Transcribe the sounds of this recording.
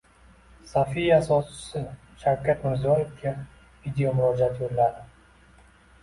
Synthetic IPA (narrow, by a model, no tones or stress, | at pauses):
safijasɒst͡ʃɪ̥sɪ | ʃawkʰʲat̪mɪɾzɒjefɡʰʲa | vid̪ejomʊɾɒːd͡ʒat̪jolːaɾɪ